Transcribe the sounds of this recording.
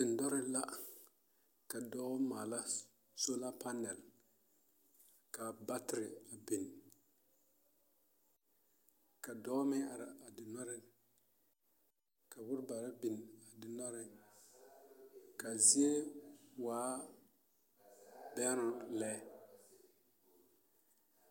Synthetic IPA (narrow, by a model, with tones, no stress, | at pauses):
dɪ˨n˨dɔ˦ɾɪ˦la˦ | ka˨dɔː˦ma˨la˦ | so˦la˦pa˦nɛ˨l | ka˨ba˦tɪ˦ɾɪ˨a˨bɪ˨n | ka˨dɔː˦mɛ˦a˨ɾa˨a˨dɪ˨nɔ˦ɾɪ˦ | ka˨wʊ˦ɾba˨ɾa˦bɪ˨na˨dɪ˨nɔ˦ɾɪ˨n | ka˨zi˦e˦waː˨˦ | bɛ˦ɾʊ˦˨nlɛː˦